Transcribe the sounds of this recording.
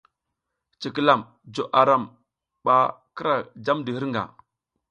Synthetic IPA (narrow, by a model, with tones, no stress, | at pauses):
t͡ʃi˨ki˦la˨m | d͡ʒo˨ʔa˨ɾa˦˨m | ɓa˨kə˦ɾa˨d͡ʒa˦mdi˨hi˦ɾŋɡa̰˨